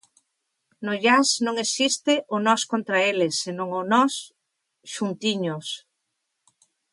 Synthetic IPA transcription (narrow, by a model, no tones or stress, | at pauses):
nʊʎasnõŋesist̪ɪʔʊnɔskont̪ɾaelesenõŋʊnɔs | ʃunt̪iɲʊs